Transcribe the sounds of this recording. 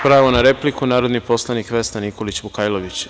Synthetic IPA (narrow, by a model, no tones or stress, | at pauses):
pɾaːʋonaɾe̞plikunaːɾo̞d̪nipo̞slˠanikʋesnaniko̞lit͡ɕbukaːjlˠoʋit͡ɕ